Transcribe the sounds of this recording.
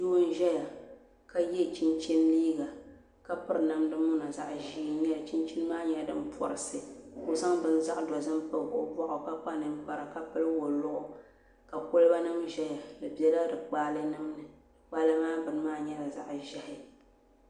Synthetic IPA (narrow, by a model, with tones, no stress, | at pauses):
do˦n̩˦ʒɛ˦ja˨ | ka˦jɛ˦˨t͡ʃi˦nt͡ʃɛ˦nliː˦ɡa˨ | ka˦pɨ˦ɾna˨mdɨ˦mʊ˦na˨za˨ʔʒiː˦ɲɛ˦la˨t͡ʃi˦nt͡ʃi˦n˦maː˦ɲɛ˦dɨ̰˦m˦pʰɔ̰˨ɾɨ˨sɨ˨kʊ˨za˦ŋbɨ˦n˦za˦ʔdɔ˨zɨ˦mpɨ˦lo̰˦bʷɔ˦ʔʊ˨ka˦k͡pa˦nɨ˦m˦pa˨ɾa˨ka˦pɨ˦lwo˨lʊ˦ʔʊ˦ | ka˨ko˦lba˦nɨ˦mʒɛ˦ja˨lɨ˨bi˦ɛ˦la˦dɨ˨k͡paː˦lɨ˦nɨ˦mnɨ˨ | wa˦la˦maː˦bɨ˨n˦maː˦ɲɛ˦la˨za̰˨ʔʒɛ˨hɪ˨